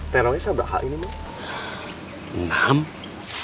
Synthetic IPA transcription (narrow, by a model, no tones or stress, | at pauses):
t̪ɛɾoɛsabɾa̰ɦa̰ʔinimɔ | nam